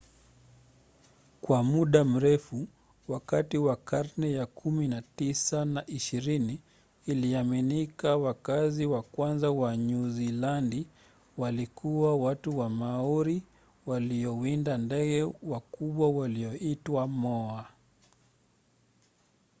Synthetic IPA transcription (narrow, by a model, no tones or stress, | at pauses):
kwamuɗam̩ɾɛfu | wakatiwakaɾnɛjakʰuminatisanaʔiʃiɾiniː | liaminikawakaziwakwanzawaɲuzilandi | walikuwawatuwamaɔɾi | waliɔwindandɛɠɛwakuɓwawaliɔitwamɔa